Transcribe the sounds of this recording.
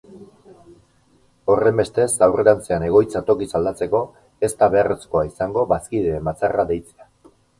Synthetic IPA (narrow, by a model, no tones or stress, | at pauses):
o̞re̞mbe̞st̪e̞sawre̞ɾant͡seane̞ɣ̞o̞jt͡sat̪o̞kisald̪at͡se̞ko̞ | e̞st̪aβe̞aresko̞aisaŋɡo̞βaskið̞eːmbat͡saraðe̞jt͡sea